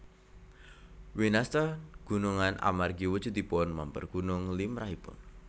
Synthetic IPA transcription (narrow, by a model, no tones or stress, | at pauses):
winast̪aɡ̥ṳnuŋanʔa̰marɡiwə̥t͡ʃud̪ipɔnmampə̰rɡ̥unʊŋlimraɦipʊ̰n